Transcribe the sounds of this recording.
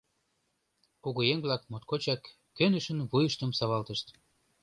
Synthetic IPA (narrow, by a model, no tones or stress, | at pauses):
kuɣojeŋβlɑk̚mot̪̚kot͡ɕɑkː | ønəʃə̆nβujəʃt̪əmsɑβɑlt̪əʃt̪